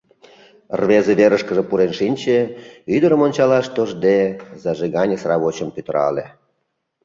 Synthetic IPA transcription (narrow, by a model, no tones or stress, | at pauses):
rβezeβeɾəʃkəʒepuɾenʃinʲt͡ɕeyd̪əɾəmonʲt͡ɕɑlɑʃt̪oʒd̪ezɑʒeɣɑnʲesrɑβot͡ɕəmpyt̪əɾɑ̰lḛ